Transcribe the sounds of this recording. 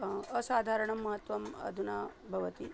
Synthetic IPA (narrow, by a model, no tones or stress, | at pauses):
əsaːd̪ʱaɾəɳ̃ɐmɐɦət̪ʋɐmɐ̰d̪ʱunabʱɐʋət̪i